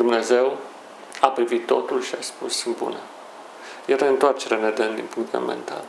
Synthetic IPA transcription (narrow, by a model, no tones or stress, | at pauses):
d̪umne̞ze̞w | apɾivit̪ːo̞t̪ulʃiaspusːɨn̚bṵne | jeɾeɨnt̪oart͡ʃeɾened̪end̪inpuŋkt̪mḛmḛnt̪a̰l